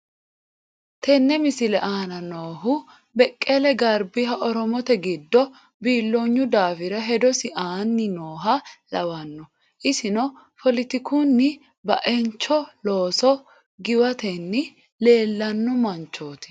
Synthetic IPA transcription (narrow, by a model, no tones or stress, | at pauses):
t̪ʰɛnːɛmɪsɪlɛʔaːnɐnoːɦʊ | bɛkʼːɛlɛɡɐɾbɪɦɐʔɔɾɔmɔt̪ɛɡɪd̪ːɔ | biːlːoːɲːʊd̪aːfɪɾɐɦɛd̪ɔsɪʔaːnːɪnoːɦɐlɐwɐnːɔ | ʔɪsɪnɔ | pʰɔlɪt̪ɪkuːnːɪ | bɐʔɛnt͡ʃːɔloːsɔ | ɡɪwɐt̪ɛnːɪ | le̞ːlːɐnːɔmɐnt͡ʃːoːt̪ɪ̥